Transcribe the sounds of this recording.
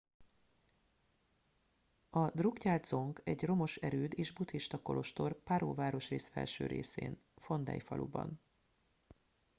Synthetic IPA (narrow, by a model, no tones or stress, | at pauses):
ɒd̪rukcaːlt̪so̞ŋkɛɟro̞mo̞ʃɛɾøːd̪eːʒbut̪hiʃt̪ɒko̞̰lʔo̞ʃt̪o̞rpaɾo̰ːvaːɾo̞ʃreːsfɛ̰lʃøːɾeːsḛːn | fo̞nd̪ɛ̰jfɒ̰lubɒ̰n